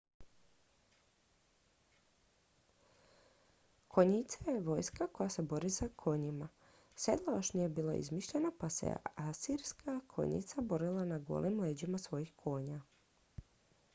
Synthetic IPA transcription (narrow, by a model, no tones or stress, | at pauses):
kʰo̞ɲit̪sajeʋo̞jskako̞jase̞bo̞ɾisakʰo̞ɲima | se̞d̪lˠajoʃnije̞biːlˠa̰ʔḭzmiʃʎenapase̞̰asiɾskʰakʰo̰ɲḭt̪sabo̞ɾilˠanaɡo̰lˠimleːd͡ʑimasʋo̞jixkʰo̞ːɲa